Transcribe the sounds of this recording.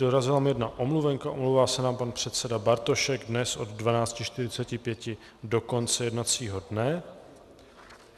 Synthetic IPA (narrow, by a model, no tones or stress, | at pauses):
doɾazɪlamjɛdnaʔomluvɛŋkaʔomluwvaːsɛnaːmpanpr̝̥ɛt̪t͡sɛdabaɾt̪o̞ʃɛɡdnɛsʔo̞dːvanaːt͡scɪʃt̪ɪɾɪt͡sɛcɪpjɛcɪ | do̞ko̞nt͡sɛjɛdnat͡siːɦo̞dnɛ